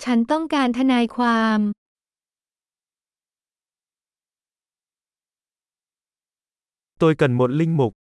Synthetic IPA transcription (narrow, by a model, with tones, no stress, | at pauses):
t͡ɕʰa˦˥nt̪ɔ˥˩ŋkaː˧nt̪ʰa˧naː˧jkʰwaː˧m | t̪oː˧jkə˨˩nmo˨˩t̪̚lï˧˩ŋ̟mʊ˨˩k̚